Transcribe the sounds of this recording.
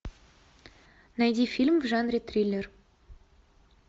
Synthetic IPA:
næjd̪ʲifʲilʲmvʒanrʲet̪rʲilʲer

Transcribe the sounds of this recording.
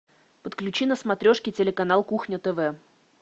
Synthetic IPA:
pət̪klʲʉt͡ɕinəsmɐt̪ɾʲoʂkʲɪtʲɪlʲɪkɐnalˠkuxnʲət̪ɛvɛ

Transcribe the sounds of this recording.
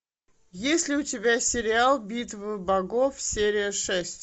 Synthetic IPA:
jesʲlʲɪʊtʲɪbʲasʲɪɾʲɪalˠbʲit̪vɨbɐɡofsʲeɾʲɪjəʂɛsʲtʲ

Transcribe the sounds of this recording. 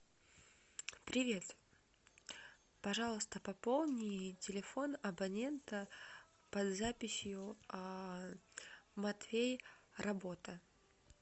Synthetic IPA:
pɾʲɪvʲe̞t̪ | pɐʐɑlˠəst̪əpɐpolˠnʲɪtʲɪlʲɪfo̞nɐbɐnʲe̞nt̪ə | pɐd̪zapʲɪsʲjʊ | mɐt̪fʲejrʔɐbo̞t̪ə

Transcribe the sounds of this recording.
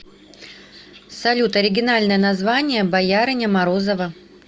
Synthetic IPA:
sɐlʲut̪ɐɾʲɪɡʲɪnalʲnəjənɐzvanʲɪjəbɐjaɾɨnʲəmɐɾozəvə

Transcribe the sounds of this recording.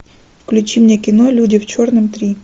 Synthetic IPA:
fklʲʉt͡ɕimnʲekʲɪnolʲudʲɪft͡ɕornɨmt̪ɾʲi

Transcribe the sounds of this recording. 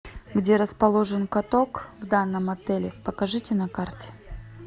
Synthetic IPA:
ɡdʲeɾəspɐlˠo̞ʐɨnkɐt̪o̞kvd̪anːəmɐt̪ɛlʲɪpəkɐʐɨtʲɪnɐkartʲɪ̥

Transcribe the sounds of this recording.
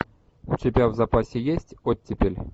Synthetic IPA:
utʲebʲavzapasʲejesʲtʲot̚ʲːepʲelʲ

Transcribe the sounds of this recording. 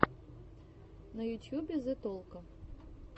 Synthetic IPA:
nɐjutʲjubʲɛzɨt̪ɔlˠkɐ

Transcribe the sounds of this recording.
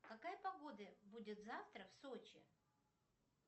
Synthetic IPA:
kɐkajpɐɡo̞d̪əbudʲɪt̪zaft̪ɾəfsot͡ɕɪ̰

